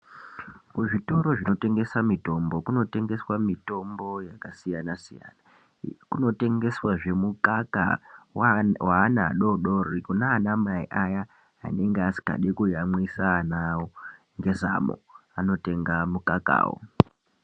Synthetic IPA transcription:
kuʐito̞ɾo̞ʐino̞te̞ŋɡe̞samito̞mbo̞kuno̞te̞ŋɡe̞swamito̞mbo̞jakasijanasija̰ːna | kuno̞te̞ŋɡe̞swaʐe̞mukaka̰ | waːnaɗo̞ɗo̞rikunaːnamaiʔaja | a̰ne̞ŋɡeasi̥ka̰ɗekujamwisaːnawo | ŋɡe̞za̰mo̰ano̞te̞ŋɡamukaka̰ːwo̰

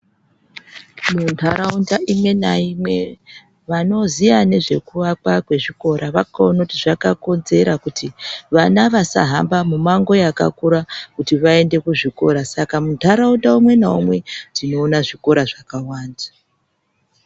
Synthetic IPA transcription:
muntʰaɾaundaʔimwe̞naimwe̞ | ʋano̞zijane̞ʐe̞̰kuʋakakwe̞ʐiko̞ɾʔaʋakaonautiʐakako̞nze̞ɾakutʰiʋanaʋasa̰ɦambamumaŋɡo̞jaka̰kuɾakutiʋae̞nde̞kuʐiko̞̰ɾasakamuntʰaɾaundaumwe̞naomwe̞dino̞ːnaʐiko̞ɾaʐakawaːnda

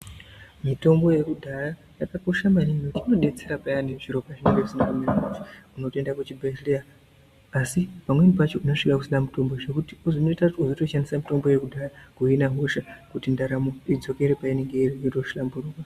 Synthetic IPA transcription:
mito̞mbo̞je̞kudʱara | jakako̞ʃamaninotino̞ɗe̞t͡seɾapajaneʐiɾo̞pat͡ʃineŋɡeusinakumeɾamat͡ʃiuno̞tendakut͡ʃibʱelea | asipamwe̞mipat͡ʃouno̞ʂikakusinamuto̞mboʐe̞kutiuzono̞itakutiuzoto̞ʃandisamito̞mbo̞je̞kudʱaɾakuinaɦoʃakutindaɾamoid͡zo̞ke̞ɾepaine̞ŋɡeirietoʃlambuɾuːkwa

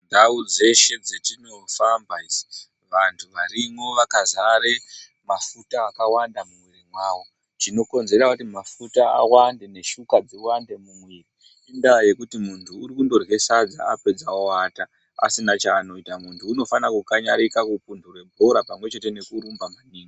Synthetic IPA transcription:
dʱaud͡ze̞ʃe̞d͡zet͡ʃinofambaizi̥ | ʋantʰuʋaɾimo̞ʋakazaɾe | mafutaːkawandamumwirimwaːwo̞ | t͡ʃino̞ko̞nze̞ɾakutimafutaa̰wande̞ne̞ʃukad͡ziwande̞mumwiri | indaje̞kutimuntʰuːɾikundo̞rɣe̞sad͡za̰ape̞d͡zaoata | a̰sinat͡ʃaːno̞itamuntʰuːno̞fanakukaɲaɾikakup̚undʱurwe̞bʱo̞ɾapamwe̞t͡ʃe̞te̞ne̞kuɾumbamaniːŋɡa

